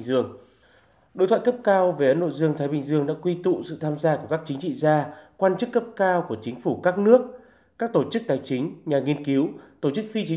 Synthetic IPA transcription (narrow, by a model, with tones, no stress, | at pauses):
ŋzɨ˧əŋ | ɗo̰˧˨t̪ʰa̰ː˧˨jkə˦˥p̚kaː˧wve˨˩ʔə˧˦nɗo̰˧˨zɨ˧əŋt̪ʰa˨˦jɓï˧˩ŋ̟zɨ˧əŋɗa̰ː˧˥kwi˧t̪ṵ˧˨sɨ̰˧˨t̪ʰaː˧mzaː˧ku˧˩əkaː˦˥k̚t͡ɕï˨˦ŋ̟t͡ɕḭ˧˨zaː˧kwaː˧nt͡ɕɨ˦˥kːə˦˥p̚kaː˧wku˧˩ət͡ɕï˨˦ŋ̟fu˧˩kaː˦˥k̚nɨ˦˥ək̚ | kaː˦˥k̚t̪o˧˩t͡ɕɨ˦˥k̚t̪aː˨˦jt͡ɕï˨˦ŋ̟ɲaː˨˩ŋi˧ənki˨˦wt̪o˧˩t͡ɕɨ˦˥k̚fi˧t͡ɕi˨˦